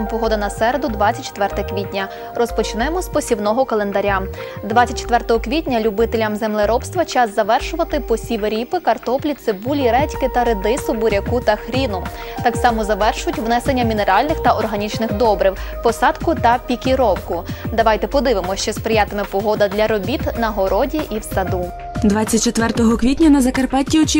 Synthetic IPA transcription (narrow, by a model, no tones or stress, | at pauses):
mpɔɦɔd̪ɐnɐsɛɾed̪ʊd̪ʋɑt͡sʲɐt̚ʲt͡ʃe̥t̪ʋɛrt̪ɛɐkʋʲitʲnʲɐ | rɔspɔt͡ʃɪnɛmɔspɔsʲiwnɔɦɔkɐlˠend̪ɐɾʲa | d̪ʋɑt͡sʲɐt̚ʲt͡ʃːe̥t̪ʋɛrt̪ɔɦɔkʋʲitʲnʲɐlʲʊbɪt̪elʲɐmzemlˠɪɾɔpst̪ʋɐt͡ʃɑzːɐʋɛrʃʊʋɐt̪ɪpɔsʲiʋeɾʲipɪkɐrt̪ɔplʲit̪sebulʲiɾɛtʲkɪt̪ɐɾed̪ɪsʊbʊɾʲɐkut̪ɐxɾʲinʊ | t̪ɑksɑmɔzɐʋɛrʃʊjʊtʲʋnɛsenʲːɐmʲineɾɑlʲnɪxt̪ɐʔɔrɦɐnʲit͡ʃnɪxd̪ɔbɾɪwpɔsɑd̪kʊt̪ɐpʲikʲiɾɔwkʊd̪ɐʋɑjt̪ɛpɔd̪ɪʋemɔt͡ʃɔspɾɪjat̪emɪpɔɦɔd̪ɐd̪lʲɐɾɔbʲit̪nɐɦɔɾɔdʲiʔiwsɐd̪u | d̪ʋɑt͡sʲːɐt̚ʲt͡ʃet̪ʋɛrt̪ɔɦɔkʋʲitʲnʲɐnɐzɐkɐrpɑtʲːiɔt͡ʃi